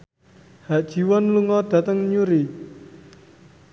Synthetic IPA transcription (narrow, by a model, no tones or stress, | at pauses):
haʔd̥ʒ̥i̤wɔnluŋɔd̪̥ä̤t̪əŋɲuɾi